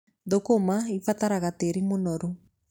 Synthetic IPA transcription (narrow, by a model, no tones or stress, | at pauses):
ðokomaifataɾaɣateɾimonɔɾo